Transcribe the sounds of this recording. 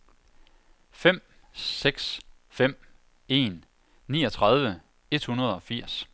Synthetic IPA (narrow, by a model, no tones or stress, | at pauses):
fem̰ː | eɡ̥s | fem̰ | e̝̰ːnː | ḭːɒ̽t͡sʰʁɑ̈ð̞ˠʋə | e̝d̥̚hunɐð̞ˠɒ̽fiɐ̰s